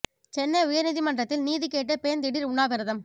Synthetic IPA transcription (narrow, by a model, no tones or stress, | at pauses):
t͡ʃɛnːɐʊjɐɾnɪðimɐnɖrɐt̪ːɪlniːðikeːʈ̬ːɐpeːɐnd̪ɪɽɪɾʊɳaːʋɐɾɐðɐm